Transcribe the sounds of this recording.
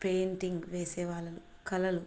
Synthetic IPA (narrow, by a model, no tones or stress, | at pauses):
peːnʈiŋɡʋeːsɛːʋaːlːɐlukɐlɐlu